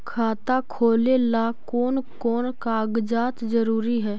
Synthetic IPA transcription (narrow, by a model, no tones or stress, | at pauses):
kʰaːt̪akʰoːlelakoːnkɔːnkaːɡd͡ʒaːt̪zəɾuːɾiɦɛː